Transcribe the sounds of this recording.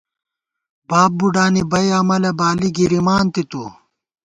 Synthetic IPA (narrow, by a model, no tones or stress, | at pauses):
baːp̚buɖaːnibɐjɐmɐlɐbaːliɡiɾimaːnt̪it̪u